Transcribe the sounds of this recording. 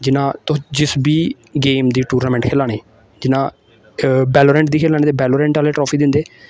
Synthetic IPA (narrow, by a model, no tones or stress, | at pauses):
d͡ʒɪnãːt̪ʊd͡ʒɪsbiː | ɡeːmd̪iːʈuːɾnaːmɛ̃ːɳʈkʰeːlaːɽ̃eː | d͡ʒɪnãː | bɛːloːɾɛ̃ːɳʈd̪iːkʰeːlãːiːt̪eːbɛːloːɾɛ̃ːɳʈaːleːʈɾɔːpʰiːd̪ɪnd̪eː